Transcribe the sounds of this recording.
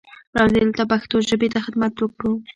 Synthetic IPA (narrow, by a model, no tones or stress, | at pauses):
ɾɑd̪elt̪apaxt̪oʒəbet̪axɪd̪mat̪wəkɽu